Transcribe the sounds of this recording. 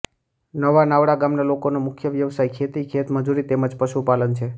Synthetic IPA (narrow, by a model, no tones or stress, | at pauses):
nəʋanaʋɽaɡamnalokonomʊkʰjəʋjəʋsajkʰet̪ikʰet̪məd͡ʒuɾit̪eməd͡ʒpəʃupalənt͡ʃʰe